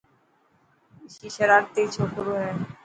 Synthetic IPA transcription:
ʃiʃeɾaɾt̪it͡ɕʰoʈoɾoɦen

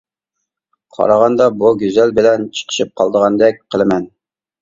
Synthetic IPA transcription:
qʰɑ̰ɾɑʁɑnd̪ɑbuɡʲyzælbɪlɛnt͡ʃʰə̥qʰə̥ʃip̚qʰɑlˠd̪əʁɑnd̪ɛk̚ʲqʰəlˠɨmɛn

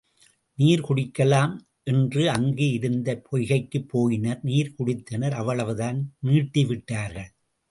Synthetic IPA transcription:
niːɾkʊɽɪkːɐlaːm | ʔɛndrɯɐŋɡeɪɾɯnd̪ɐpʰɔjɣɐɪkːɯpːoːjɪnɐɾniːɾkʊɽɪt̪ːɐnɐɾɐʋːɐɭɐʋɯðaːnniːʈːɪʋɪʈːaːɾɣɐɭ

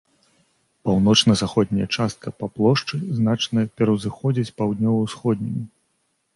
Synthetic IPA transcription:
pawnɔt͡ʂnɐzaxɔd̪̚ʲnʲɐjɐt͡ʂast̪̚kɐpaplˠɔʂt͡ʂɨznat͡ʂnɐjɐpʲɛɾɐwzɨxɔd͡zʲit͡sʲpawd̪ʲnʲɔvɐwsxɔd̪̚ʲnʲimʲi

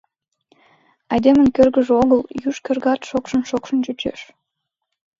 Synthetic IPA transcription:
ɑjd̪emə̆nkʲørɡə̆ʒoɣəljyʃkʲĕrɡɑt̪ʃokʃə̆nʃokʃə̆nt͡ɕyt͡ɕḛʃ

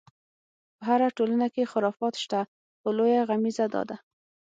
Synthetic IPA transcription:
pəɦaɾaʈolənakexɪɾɑfɑt̪ʃt̪a | xolojaɣamizad̪ɑ̰d̪a

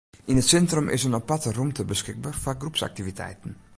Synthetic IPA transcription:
inətsɛntromʔɪ̰sənɔpatərumtʰəbəskɪk̚baːrfaɡrupsa̰k̚tivitʰɛ̰jtən̩

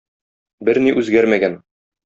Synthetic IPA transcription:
bɘɾniʔʉzɡæɾmæɡæn

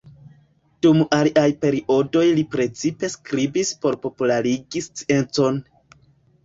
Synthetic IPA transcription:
d̥umaliʔajpe̞ɾiʔo̞do̞jlipɾe̞t͡sipe̞skɾibispo̞ɾpo̞pulaɾiɡist͡si̥e̞nt͡so̞n

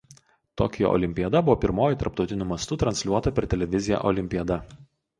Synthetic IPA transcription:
t̪o̰ːkʲjɛ̰ʔɔ̰lʲɪmʲpʲiɛd̪ɐbʊʋoːpʲɪɾmoːjɪˑt̪ɐɾp̚t̪ɒʊt̪ʲɪnʲʊmɐst̪ʊt̪ɾɐnʲsʲlʲuɔt̪ɐpʲɛɾʲt̪ʲɛlʲɛʋʲɪzʲɪjæ̰ːʔɔlʲɪmʲpʲiɛd̪ɐ

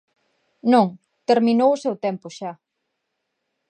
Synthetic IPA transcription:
nõŋ | t̪eɾmĩnowʊsɛwt̪ɛmpʊʃa

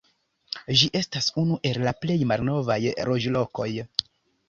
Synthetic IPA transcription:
d͡ʒiʔe̞stasunuʔe̞lːaple̞jmalno̞vajɾo̞d͡ʒlo̞ko̞j

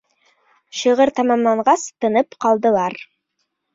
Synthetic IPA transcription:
ʃɤ̆ʁɤɾt̪ɑmɑmlˠɑɴʁɑst̪ɤ̆nɤpqɑlˠd̪ɤ̆lˠɑɾ

